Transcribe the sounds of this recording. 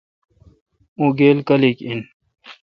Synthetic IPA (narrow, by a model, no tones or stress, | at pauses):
ũɡeːlkɐlikin